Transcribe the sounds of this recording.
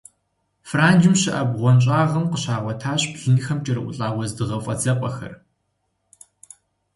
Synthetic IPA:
fraːnd͡ʒɪmɕɪʔɐbʁʷɔnt͡ʃʼaːʁɐmqəɕaːʁʷɔtʰaːɕbɮ̥ɨnxɐmt͡ʃʼɐɾɨʔʷʊ̰ɬʼaːwʷɔzdɨʁɐfʼɐt͡sɐqʷʼɐxɐ̰r

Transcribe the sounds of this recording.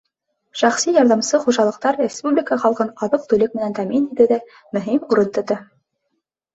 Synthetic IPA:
ʃæχsijɑɾðɑmsɤχuʒɑlˠɤ̆q̚t̪ɑɾrʲɪspublʲɪkəχɑlˠqɤnɑðɤq̚t̪ɵ̆lɘk̚mɘ̆nænt̪æminit̪ɘðæ | mɵ̆ɦimuɾɤnt̪ŏt̪ɤ

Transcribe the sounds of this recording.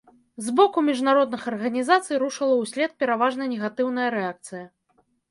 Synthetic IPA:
zbɔkumʲiʐnaɾɔd̪̚nɨxɐrɣɐnʲizat̪sɨjɾuʂɨlˠɐwsʲlʲɛt̪̚pʲɛɾavaʐnɐjnʲɛɣat̪ɨwnɐjɐɾɛak̚t̪sɨjɐ

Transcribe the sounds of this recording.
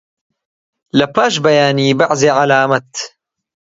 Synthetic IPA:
lɐpaːʃbɐjaːniːbaʕzeʕalaːmɐt̪

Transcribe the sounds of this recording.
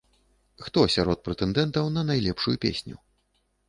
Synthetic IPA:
xt̪ɔsʲaɾɔt̪̚pɾɛt̪ɛnd̪ɛnt̪ɐwnɐnajlʲɛpʂujupʲḛsʲnʲṵ

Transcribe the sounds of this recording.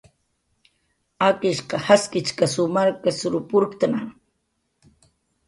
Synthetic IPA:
akɪʃqɑhaskɪt͡ʃkasʊmaɾkasʊɾʊpʊɾkt̪anaŋ

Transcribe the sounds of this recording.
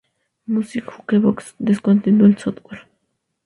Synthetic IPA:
musikxukeβoksd̪eskont̪ind̪uelsot̪weɾ

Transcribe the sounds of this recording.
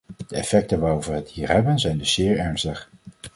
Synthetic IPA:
d̥əɛfɛk̚tənʋaːrovʋəɦətɦiːɹɦɛbənzɛjndɵsz̥ɪːɹɛɹnstəχ

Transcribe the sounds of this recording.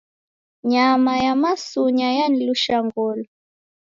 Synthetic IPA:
ɲamajamasuɲajaniluʃaŋɡɔlɔ

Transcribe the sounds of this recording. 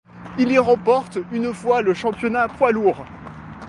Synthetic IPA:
iliʁɑ̃pɔʁt̪ynfwaləʃɑ̃pjɔnapwaluʁ

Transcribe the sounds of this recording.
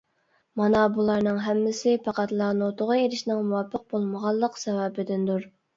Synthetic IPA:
mɑnɑbulˠɑɾnɨŋɦɛmːɪsɪpʰɑqæt̪lˠɑnot̪ʰʊʁəeɾɪʃnɪŋmuwɑpʰːəq̚bolˠməʁɑlˠːəqsɛwɛbɪd̪ɪnd̪uɾ

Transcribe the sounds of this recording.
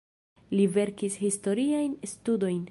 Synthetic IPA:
live̞ɾkishisto̞ɾiajnstudo̞jn

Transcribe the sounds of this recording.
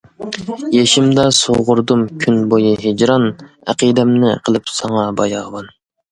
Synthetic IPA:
jeʃɪmd̪ɑsoʁʊɾd̪umkʲʰynbojɨɦed͡ʒɾɑn | æ̰qid̪ɛmnɪqʰəlˠɨpsɑŋɑbɑjɑʁvɑn

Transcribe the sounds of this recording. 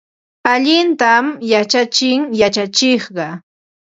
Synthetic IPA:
aʎɪnt̪amjat͡ʃat͡ʃɪŋjat͡ʃat͡ʃɪχɢɑ

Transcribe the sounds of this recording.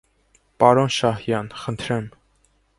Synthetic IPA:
pɑɾɔnʃɑhjɑnχənt̪ʰɾɛm

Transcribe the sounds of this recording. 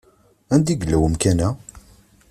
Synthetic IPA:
ænd̪iɡəlːæwəmkænæ

